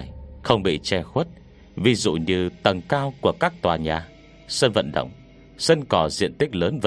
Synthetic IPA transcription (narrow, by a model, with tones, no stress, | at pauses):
jxə˧wŋ͡mɓḭ˧˨t͡ɕɛ˧xwə˦˥t̚ | vi˨˧zṵ˧˨ɲɨ˧t̪ə˨˩ŋkaː˧wku˧˩əkaː˦˥k̚t̪waː˨˩ɲaː˨˩ | sə˧nvə̰˧˨nɗə̰˧˨wŋ͡m | sə˧nkɔ˨˩zḭ˧˨ənt̪ï˦˥k̟̚ləː˨˦nvə˧